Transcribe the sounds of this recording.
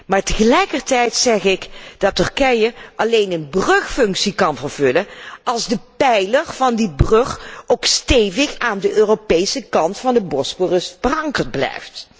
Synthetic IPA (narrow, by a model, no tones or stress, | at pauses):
maːɹtəɣəlɛjkərtɛjtsɛχɪkd̥ɑtɵrkɛjəʔɑlejnənbrɵxfɵŋksikɑnvərv̥ɵləɑlˠzdəpɛjləɹv̥ɑndibrøxowkstejvɪxaːndəʔøːropejsəkɑntfɑndəbɔskorəsfərɑŋkəɹd̚blɛ̰jft